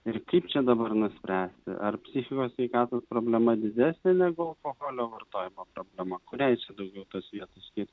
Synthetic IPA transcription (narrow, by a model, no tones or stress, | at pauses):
ɪɾkɐɪpt͡ʃʲɛd̪ɐbɐrnʊsʲpʲɾʲæːsʲt̪ʲɪ̰ʔɐrpʲsʲɪxʲɪkoːsʲʋʲɛɪkɑːt̪oːspɾoːbʲlʲɛmɐd̪ʲɪd̪ʲæːsʲnʲɛnʲɛɡʊɐlˠkoɣoːlʲoːʋɐrt̪oːjɪmoːpɾoːbʲlʲɛmɐkʊɾʲæɪt͡ʃʲɛd̪ɐʊɡʲɛʊt̪osʋʲiɛt̪osʲkʲɪɾʲ